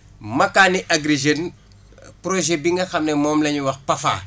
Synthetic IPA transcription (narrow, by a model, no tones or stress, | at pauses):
mɐkːaːniʔɐɡɾiʒen | prɔʒɛbiŋɡɐxɐmnɛmɔːmlɐɲuwɐxpɐfa̰ː